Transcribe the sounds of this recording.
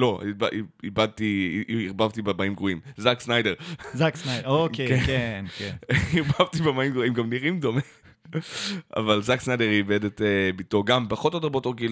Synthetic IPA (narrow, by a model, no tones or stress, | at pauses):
lo̞ibaiibad̪̚t̪iːʁbavt̪ibemaimɡʁuimzaksnajdeʁzaksnaokekekenkeiʁbavt̪ibemaimɡʁuimɡamniʁimdome | a̰valzaksnajdeʁiːbedetebitoɡampaχot̪ot̪bot̪oʁɡil